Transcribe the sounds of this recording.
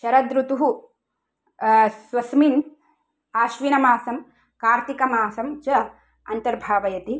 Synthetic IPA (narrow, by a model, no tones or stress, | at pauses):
ʃɐɾɐd̪ɾut̪uɦu | sʋɐsmin | aːʃʋinɐmaːsɐm | kaːɾt̪ikɐmaːsɐmt͡ʃɐ | ɐnt̪ɐɾbʱaːʋɐjɐt̪i